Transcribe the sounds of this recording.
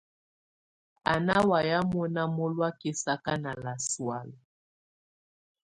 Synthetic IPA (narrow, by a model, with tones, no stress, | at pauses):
a˨na˦wa˨ja˦mɔ˦na˦mɔ˦lwa˦ki˨sa˦ka˦na˨la˨swa˦lɔ˨